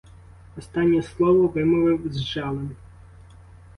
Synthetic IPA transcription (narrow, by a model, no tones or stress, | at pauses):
ɔst̪anʲːɛslˠɔʋɔvɪmɔʋɪwzʲʐɑlˠɛm